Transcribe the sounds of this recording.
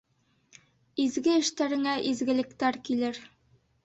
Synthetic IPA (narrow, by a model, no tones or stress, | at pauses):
izɡɘɘ̆ʃt̪æɾɘ̆ŋæʔizɡɘ̆lɘ̆kt̪æɾkilɘɾ